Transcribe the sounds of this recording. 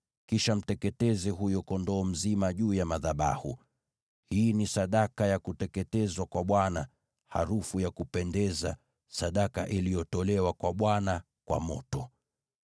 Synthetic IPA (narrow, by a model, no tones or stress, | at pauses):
kiʃam̩tɛkɛtɛzɛɦujɔkɔndɔːm̩zimaʄuːjamaðaɓa̰hṵ | hiːnisaɗakajakutɛkɛtɛzwakwaɓwana | ha̰ɾufujakupɛndɛza | saɗaka̰ʔilijɔtɔlɛwakwaɓwana | kwa̰mɔ̰tɔ